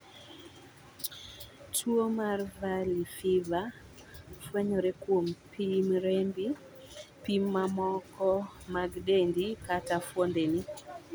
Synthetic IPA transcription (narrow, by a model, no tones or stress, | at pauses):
tʰwomarvalifiva | fwɛɲoɾɛkwompʰimɾembi | pimːamɔkɔmaɡdendikatafwondeni